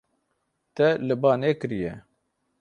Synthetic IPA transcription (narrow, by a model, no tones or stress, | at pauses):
t̪ɛlɨbɑːnekɨɾijɛ